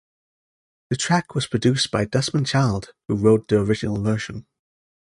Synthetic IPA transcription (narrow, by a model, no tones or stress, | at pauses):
ðətʰɹ̥akwɒz̥pʰɹ̥ədʉˑsb̥aɪdʌsmə̃nt͡ʃʰaɪlˠd̥huɹoʊt̪̚ðiəɹɪd͡ʒɪnəlˠvɜˑʃə̃n